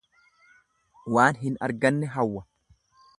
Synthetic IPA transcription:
waːnɦɪnɐɾɡɐnːɛɦɐwːɐ

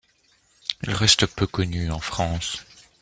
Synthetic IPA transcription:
ilʁɛst̪əpøkɔnyɑ̃fχɑ̃s

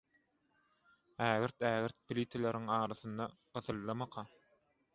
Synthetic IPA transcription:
æːɣɘɾt̪æːɣiɾt̪̚pilʲit̪ʰeleɾiŋɑːɾɑθɯnd̪ɑqɯθɯlˠːɑmɑqʰɑ

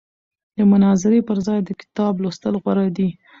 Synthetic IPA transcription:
d̪̥əmʊnɑzɪɾepəɾzɑjd̪əkɪ̥t̪ɑblost̪əlɣwaɾɑd̪i

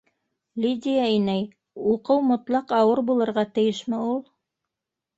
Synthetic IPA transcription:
lʲidʲɪjainæj | uqɤwmŏt̪lˠɑqɑwɤɾbulˠɤ̆ɾʁɑt̪ɘ̆jɘʃmɘulˠ

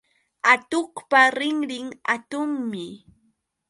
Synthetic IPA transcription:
at̪oχpaɾɪŋɾɪŋa̰t̪ʊŋmɪ

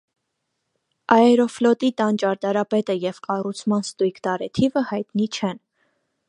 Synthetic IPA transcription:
ʔɑɛɾɔflɔt̪it̪ɑnt͡ʃɑɾt̪ɑɾɑpɛt̪əjɛvkɑrut͡sʰmɑnst̪ujkʰd̪ɑɾɛt̪ʰivəhɑjt̪nit͡ʃʰɛn

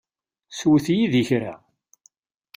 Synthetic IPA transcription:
swəθjiðiçɾa̰

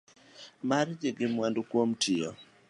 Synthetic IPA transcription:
mard͡ʒɪɡɪmwandokwomtʰɪɔ

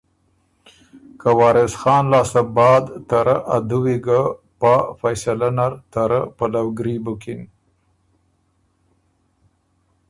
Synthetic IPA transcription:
kawɑːɾɪsxɑːnlɑːsabɑːd̪t̪aɾaʔad̪uwiɡa | pafajsalanaɾt̪aɾə̰palawɡɾibʊkɪn

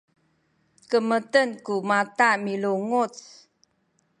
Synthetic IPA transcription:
kəmətənkumatamiluŋut͡s

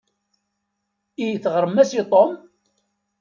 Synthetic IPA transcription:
ijθʁɾəmːæsit̪ˤom

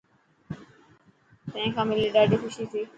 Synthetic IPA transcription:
t̪ə̃ɦẽkʰãːmɪliːɖaːɖiːkʰʊʃiːt̪ʰiː

